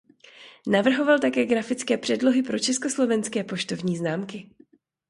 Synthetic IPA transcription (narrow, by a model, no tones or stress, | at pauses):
navr̩ɦo̞valt̪akɛːɡɾafɪt͡skɛːpr̥ɛdlo̞ɦɪpɾo̞t͡ʃɛsko̞slo̞vɛnskɛːpo̞ʃt̪o̞vɲiːznaːmkɪ